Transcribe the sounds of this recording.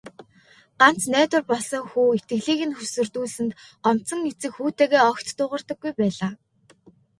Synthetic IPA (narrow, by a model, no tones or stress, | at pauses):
ɢan̥t͡snæːt̪ʊ̆rpɔɮsɞ̆ŋxuːet̪̚ɡɘ̆ɣɮiːɣɘ̆nxɵsɵ̆rt̪uːɮɘ̆nt̪ɔm̥t͡sɞ̆ŋːet͡sɘ̆kxuːt̪eːɣeːɔkt̪ːʊːʁə̆rt̪ə̆ɡːujpæːɮaː